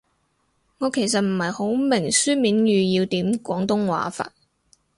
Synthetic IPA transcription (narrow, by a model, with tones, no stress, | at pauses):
ŋɔː˨˧kʰe˨˩js̬ɐ˨t̚m̩˨˩hɐ˨jho˨˥wmɪ˨˩ŋsyː˥miː˨˥njyː˨˧jiː˧wt̪iː˨˥mkʷɔː˨˥ŋt̪ʊ˥ŋwa̰ː˨˥fa̰ː˧t̚